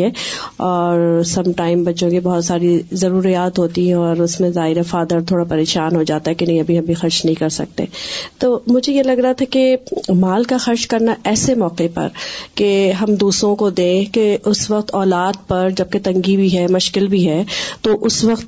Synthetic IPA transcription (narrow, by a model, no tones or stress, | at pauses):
ɦɛɔːɾsɐ̃mʈaːɪmbɐtːʃõkibɐɦʊt̪saːɾizɐɾuːɾijaːt̪ɦoːt̪iɦɛ̃ɔːɾʊsmẽzaːɦɪɾefaːd̪əɾt̪ʰoːɽapɐɾeːʃaːnɦod͡ʒaːt̪aɦɛkinɐɦĩɐbʱiɦɐbʱixɐɾt͡ʃnɐɦĩkɐɾsɐ̰k̚t̪ḛ̃ːt̪oːmʊd͡ʒʱejelɐɡɾɐɦat̪ʰakemaːlkaxɐɾʃkɐɾnaʔɛːsemɔːqepɐ̰ɾkeɦɐmd̪uːsɾõkod̪ẽkeʔʊsʋɐq̚t̪ɔːlaːd̪̚pɐɾd͡ʒɐb̚ket̪ɐ̃ŋɡibʱiɦɛmʊʃkɪlbʱiɦɛːt̪oʔʊsʋɐqt̪̚